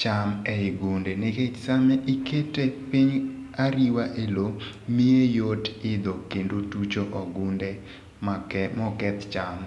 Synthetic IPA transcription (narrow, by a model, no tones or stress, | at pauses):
t͡ʃamɛɪɡundeneket͡ʃsamɛʔiketepiɲaɾiwaʔelomiejotɪd̪ɔkendotut͡ʃoʔɔɡunde | mamɔkɛt̪t͡ʃam